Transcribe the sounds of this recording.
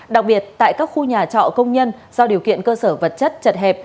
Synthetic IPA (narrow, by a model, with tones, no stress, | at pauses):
ɗa˨˩k̚ɓi˨˩ət̚t̪a̰ː˧˨jkaː˦˥k̚xu˧ɲaː˨˩t͡ɕɔ̰˧˨kə˧wŋ͡mɲə˧n | zɔ˧ɗi˨˩əwkḭ˧˨ənkəː˧səː˧˩və˨˩t̚t͡ɕə˦˥t̚t͡ɕə˨˩t̚ɦɛ˨˩p̚